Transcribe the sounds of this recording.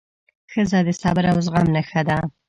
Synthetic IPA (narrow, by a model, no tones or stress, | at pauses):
xəzad̪əsɑbɪɾaʊzɣamnaxad̪a